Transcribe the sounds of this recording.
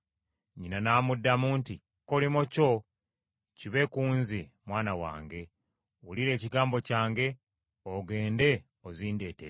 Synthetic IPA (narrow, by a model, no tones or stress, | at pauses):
ɲinanaːmudːamuːnti | kolimoco̞ | ciβe̞kuːnzimwaːnawa̰ːŋɡe̞ | wuliɾe̞ːciɡaːmbo̞caːŋɡe̞ | oɡe̞ːnde̞ | oziːnde̞ːtḛ